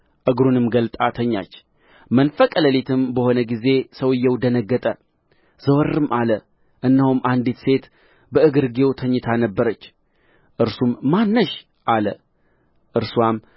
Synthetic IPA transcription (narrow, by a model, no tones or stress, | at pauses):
ʔɨɡɾunɨmɡəlt̪ʼat̪ʰəɲːa̰t͡ʃː | mənfəkʼələlet̪ʰɨmbəho̞nəɡize̞səwɨjːɛwd̪ənəɡːət̪ʼə | z̥əwəɾɨmʔalə | ʔɨnːəhumʔand̪et̪se̞t̪ | bəʔɨɡɨɾɡewt̪ʰəɲːɪt̪ʰanəbːəɾət͡ʃː | ʔɨɾsumːanːɨʃ | ʔalə | ʔɨɾsuwam